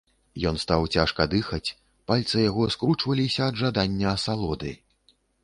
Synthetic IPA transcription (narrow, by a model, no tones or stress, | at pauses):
jɔnst̪awt͡sʲaʂkɐd̪ɨxɐt͡sʲ | palʲt̪sɨjaɣɔskɾut͡ʂvɐlʲisʲɐːd̪ʐad̪anʲːɐːsalˠɔd̪ɨ̰